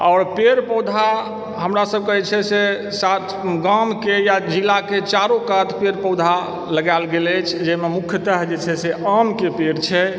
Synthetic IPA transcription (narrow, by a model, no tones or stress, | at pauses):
ɔːɾpeɾpəwd̪ʱa | ɦəmɾasəb̚kəɦɛt͡ʃʰɛse | sat̪ʰɡamkejad͡ʒilaket͡ʃaɾõkat̪ʰpeɾpəwd̪ʱa | ləɡalɡelət͡ʃʰd͡ʒememukʰjət̪əɦd͡ʒet͡ʃʰɛseəmkepeɾt͡ʃʰɛ